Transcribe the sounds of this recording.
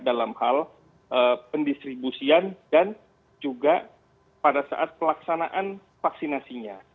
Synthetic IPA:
dalamhal | ʔəpəndist̪ɾibusiandan | d͡ʒuɡa | padasa̰ʔat̪̚pəlaksanaʔan | faksinasiɲa

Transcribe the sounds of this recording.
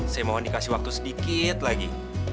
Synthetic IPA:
sajamaɦandikasɪhwak̚t̪usədikit̪̚laɡḭ

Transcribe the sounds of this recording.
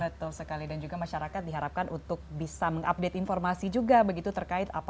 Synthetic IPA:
bət̪ʊlsəkalidand͡ʒuɡamaʃaɾakat̪̚diɦaɾap̚kanʔunt̪ʊk̚bisaməŋʔap̚det̪informasid͡ʒuɡabəɡit̪ut̪ərkaɪt̪a̰p

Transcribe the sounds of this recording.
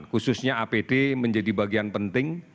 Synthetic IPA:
nkusʊsɲaʔapedeməɲd͡ʒadibaɡianpənt̪ɪŋ

